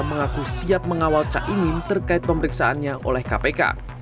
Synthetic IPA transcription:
məŋakusiap̚məŋawalt͡ʃa̰ʔimɪnt̪ərkaɪt̪̚pəməɾiksaʔanɲaʔo̰lɛhkapeka̰

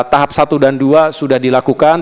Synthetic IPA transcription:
t̪aɦap̚sat̪udanduasudahdilakukan

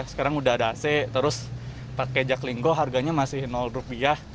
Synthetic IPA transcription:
sə̥kaɾaŋudadaːsɛt̪əɾʊs | paked͡ʒakliŋɡoɦarɡaɲamasɪhnɔlrupiah

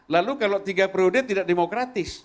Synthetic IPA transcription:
lalukalot̪iɡapɾodɛt̪idak̚demokɾat̪ɪs

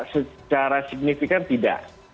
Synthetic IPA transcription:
sət͡ʃaɾasiɡ̚nifikant̪ida̰ʔ

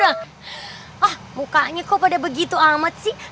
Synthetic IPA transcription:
ɾa | ahmukaʔɲakopadabəɡit̪uamat̪̚sih

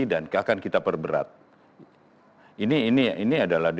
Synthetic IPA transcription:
idankakankit̪apərbəɾa̰t̪̚ | iniːniiniadalahd

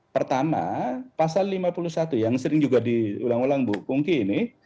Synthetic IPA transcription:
pərt̪ama̰pasalːimapulusat̪ujaŋsəɾɪŋd͡ʒuɡadiulaŋulaŋbuʔkuŋkiːnɪ

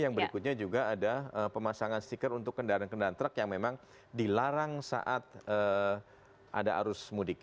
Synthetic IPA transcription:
jaŋbəɾikʊt̪̚ɲad͡ʒuɡaːdaəpəmasaŋanst̪ikəɾunt̪ʊkːəndaɾankəndaɾant̪ɾəkjaŋmemaŋ | dilaɾaŋsa̰ʔat̪̚ə | ʔa̰daʔa̰ɾʊsmudik

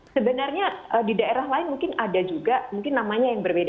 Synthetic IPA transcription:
səbənarɲaədidaeɾaɦlaɪnmuŋkɪnadad͡ʒuɡamuŋkɪnːamaɲajaŋbərbeda

